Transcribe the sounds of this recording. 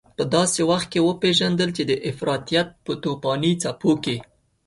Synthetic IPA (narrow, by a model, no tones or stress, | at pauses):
pəd̪ɑsewaxt̪̚kewəpeʒand̪əlt͡ʃed̪əʔɪfɾɑt̪ijat̪̚pət̪opɑnit͡sapoke